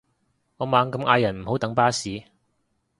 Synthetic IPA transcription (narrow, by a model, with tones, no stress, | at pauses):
ŋɔː˨˧maː˨˧ŋkɐ˧mʔa̰ː˧jɐ˨˩nm̩˨˩ho˨˥wt̪ɐ˨˥ŋpaː˥siː˨˧